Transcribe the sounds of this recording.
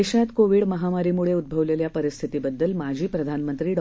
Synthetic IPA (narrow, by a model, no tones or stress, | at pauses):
eɕjat̪koʋiɽməɦamaɾiːmuɭeud̪̚bʱəʋleljapəɾist̪ʰit̪ibəd̪ːəlmad͡ʑʱiːpɾəd̪ʱanmənt̪ɾiːɖ